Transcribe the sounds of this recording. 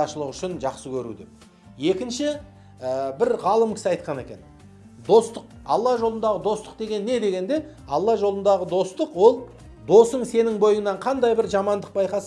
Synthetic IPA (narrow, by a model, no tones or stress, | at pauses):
ɑʃəlˠəqʏʃɪnʒɑqsəkʲʰɵɾṵd̪ḛ | je̞kʲɪnʃɪ | əbɪɾʁɑlˠəmkʲʰɪ̥sɑjt̪̚qɑne̞̰kʲe̞̰n | d̪o̞st̪əq̚ɑ̰lˠːɑʒo̞lˠənd̪ɑʁəd̪o̞st̪ə̥q̚d̪e̞ɡʲe̞nːe̞d̪e̞ɡʲe̞nd̪e̞ɑlˠːɑʒo̞lˠənd̪ɑʁəd̪o̞st̪əqwo̞lˠ | d̪o̞səɴse̞nɪŋbo̞jənɑɴqʰɑnd̪ɑjbɪɾʒɑmɑnd̪əq̚bɑjqɑs